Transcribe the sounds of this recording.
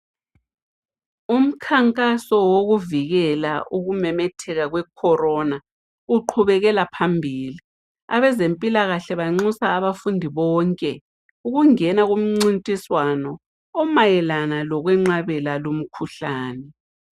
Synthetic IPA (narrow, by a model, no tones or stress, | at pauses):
um̩kʰaŋkʼasɔwoɣuviɣɛlaʔuɣumɛmɛtʰɛɣaɣwɛkʰɔrɔna | uǃʰuβɛɣɛlapʰambʱiːli | a̰βɛzempʼilaɣaɬɛβaŋ͡ǀusaːβafundʱiβɔːŋkʼɛ | uɣuŋɛnaɣum̩ŋ͡ǀintʼiswanɔː | majɛlanalɔɣwɛŋ͡ǁaβɛlalom̩kʰuɬaːnɛ